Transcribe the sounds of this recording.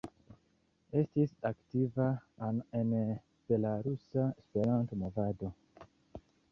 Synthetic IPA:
e̞stisaktivanen | b̥e̞laɾusaespe̞ɾantomo̞vado̞

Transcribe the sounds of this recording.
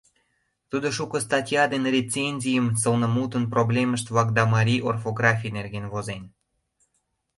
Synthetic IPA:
t̪ud̪oʃukəst̪ɑtʲjɑd̪enrʲet͡senʲzʲijəmsəlnə̆mut̪ənproblʲeməʃt̪vɑk̚d̪ɑmɑɾʲiʔorfoɡrɑfʲijnerɣenvozen

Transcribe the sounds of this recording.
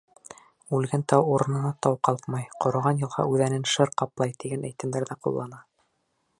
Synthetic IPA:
ʉlɡænt̪ɑwuɾɤ̆nɤ̆nɑt̪ɑwqɑlˠqmɑjqŏɾɤ̆ʁɑnjɤ̆lˠʁɑ̰ʉðænɘnʃɤɾqɑplˠɑjt̪iɡænæ̰jt̪ɘ̆md̪æɾðæqṵlˠːɑnɑ

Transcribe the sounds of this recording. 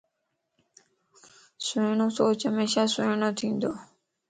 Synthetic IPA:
sojnoːsoːt͡ɕɦəmeːʃaːsojnoːt̪ʰĩːnd̪oː

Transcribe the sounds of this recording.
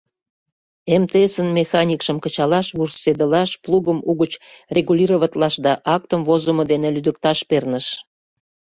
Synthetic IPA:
emt̪eesənmexɑnʲikʃəmkət͡ɕɑlɑʃβursed̪əlɑʃpluɣəmuɣət͡ɕrʲeɣulʲiɾoβɑt̪lɑʃd̪ɑʔɑk̚t̪əmvozəməd̪enelyd̪ək̚t̪ɑʃpernəʃ

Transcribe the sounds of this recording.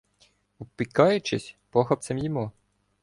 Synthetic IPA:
upikɑjʊt͡ʃɪsʲpɔxɐp̚t̪semjimu

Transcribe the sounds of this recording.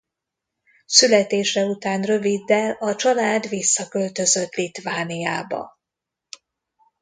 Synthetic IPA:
sylɛt̪eːʃɛut̪aːnrø̞vid̪ːɛlɒt͡ʃɒlaːd̪visːɒkø̞lt̪ø̞zø̞t̪lit̪vaːnijaːbɒ̰

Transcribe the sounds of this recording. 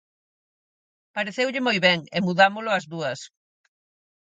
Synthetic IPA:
paɾeθewʎɪmojβɛŋɪmuðamʊlʊɐzðuɐs

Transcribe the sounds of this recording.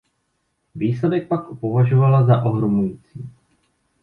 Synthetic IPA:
viːslɛdɛk̚pakopovaʒovalazaʔo̞ɦɾomujit͡siː

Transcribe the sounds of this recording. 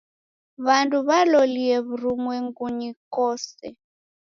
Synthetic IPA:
βanduβalɔliɛβuɾumwɛŋɡuɲikɔsɛ̰

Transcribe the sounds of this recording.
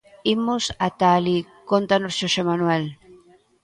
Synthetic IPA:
imosat̪alikont̪anosʃoʃemanwel

